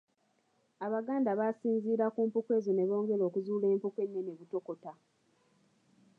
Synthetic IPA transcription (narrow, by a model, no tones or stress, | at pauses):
aβaɡaːndaβasiːnziːɾakuːmpukwe̞ːzone̞βo̞ːŋɡe̞lo̞ːkuzuːle̞ːmpuke̞nːeneβuto̞ko̞ta